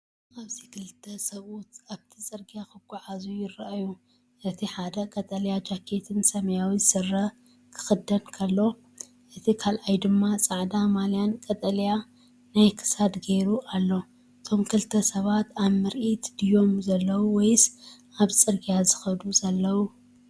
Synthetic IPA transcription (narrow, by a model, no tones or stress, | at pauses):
ʔaβzikʰɨlt̪ʰːɐsɐβʔut̪aβt̪ʰit͡sʼɨɾɡijakɨɡ̥ʷuʕazujɪrɐʔaju | ʔɨt̪ʰiħad̪ɐkʼɐt̪ʼɐlijad͡ʒakʰe̞t̪ʰɨnsɐmɐjawizɨsɨrːɐ | kʰɨ̥xɨd̪ːɐnkʰɐlːo̞ | ʔɨt̪ʰikʰalʔajd̪ɨmːat͡sʼaʕd̪amalijankʼɐt̪ʼɐlja | najkʰɨ̥sad̪ɡeɾuʔalːo̞ | ɨt̪ʰo̞mkʰɨlt̪ʰɐsɐβat̪aβmɨɾʔit̪d̪ɨjo̞mzɐlːɐwuwɔjsʔaβt͡sʼɨɾɡijazɨxɐd̪uzɐlːɐwu